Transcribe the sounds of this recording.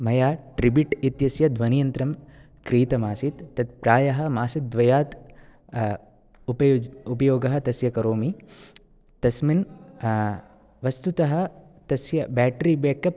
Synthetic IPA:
mɐjaːʈɾibiʈit̪jɐsjɐd̪ʋɐnijɐnt̪ɾɐm | kɾiːt̪ɐmaːsit̪ːɐt̪̚pɾaːjɐɦɐ̆maːsit̪̚d̪ʋɐjaːt̪ | pɐupɐjoːɡɐɦɐ̆t̪ɐsjɐkɐɾoːmi | t̪ɐsmin | ʋɐst̪ut̪ɐɦɐ̆ | t̪ɐsjɐbæːʈɾiːbjeːkɐp

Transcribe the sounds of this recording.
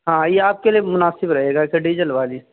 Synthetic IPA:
ɦãjeaːp̚keliemʊnaːsɪbɾɐɦeːɡaekeɖiːd͡ʒəlʋaːli

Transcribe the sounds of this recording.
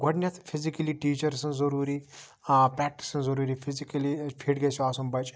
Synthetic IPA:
ɡʱoʈnʲɐt̪ʰpʰizikɐliʈiːt͡ʃɐɾsɐ̃zɐɾuːɾi | pɾaːk̚ʈi̥sɐ̃nzɐɾuːɾiːpʰizikɐlipʰiʈɡɐsuaːsɐmbɐt͡ʃʼ

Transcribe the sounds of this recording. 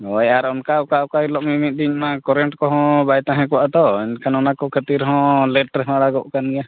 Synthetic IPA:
ɔjaɾɔnkaɔkaɔkajilɔʔmimit̪̚ˀd̪iɲmakɔɾɛɳʈkɔɦɔ̃bajt̪ãɦɛ̃kɔwaʔd̪ɔɛnkʰanɔnakɔkʰət̪iɾɦɔ̃lɛʈɾɛɦɔ̃aɽaɡɔʔkanija

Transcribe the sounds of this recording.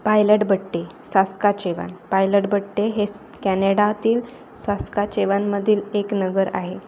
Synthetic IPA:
pajləʈbəʈːesaskat͡ɕeʋa̰npajləʈbəʈːeɦe | kæneɽat̪iːl | saskat͡ɕeʋanməd̪ʱiːleknəɡəɾa̰ɦe

